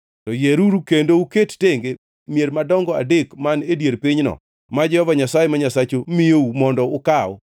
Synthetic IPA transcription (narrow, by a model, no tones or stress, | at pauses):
tɔjeɾuɾukendouketteŋɡe | mjeɾmadɔŋɡɔa̰dekmanedjeɾpɪɲnɔ̰ | mad͡ʒɛhɔvaɲasajemaɲasat͡ʃomɪjoumɔndɔʊkaɔ̰